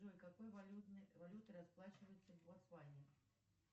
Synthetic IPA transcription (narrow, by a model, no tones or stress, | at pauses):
ʐɔlʲkakɔjvauvalʲut̪ɨɾasplˠat͡ʃvɐjut̪sːɐvasvalʲɛ